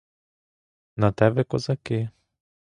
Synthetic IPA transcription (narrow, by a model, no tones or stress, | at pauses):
nat̪ɛbɛkozaki